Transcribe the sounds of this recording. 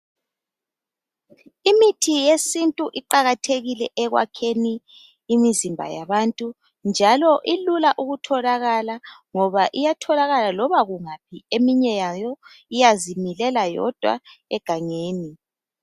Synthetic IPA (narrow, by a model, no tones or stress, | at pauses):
imitʰijesintʼuʔiǃaɣatʰeɣilɛʔɛɣwa̰kʰeniː | mizimbʱa̰ja̰βantʼu | nd͡ʒʱalɔʔilulaʔuɣutʰɔlaɣalaŋɔβaʔijatʰɔlaɣalalɔβaɣuŋap̚ʰiemiɲɛjajɔ | ijazimilɛlajɔ̰d̥ʱwa̰ɛɡ̥ʱaŋeːni